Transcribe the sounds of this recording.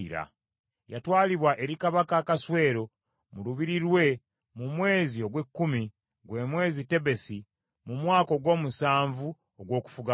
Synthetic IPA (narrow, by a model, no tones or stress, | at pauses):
ɾa̰ | ja̰twaːliβwaʔe̞ɾikaβakakaswe̞ːɾo̞ | muluβiɾiɾwe̞ | mumwe̞ːzio̞ɡwe̞kːumi | ɡwe̞ːmwe̞ːzite̞βe̞si | mumwaːko̞ɡwo̞ːmusaːɱvu | oɡwo̞ːku̥fuɡa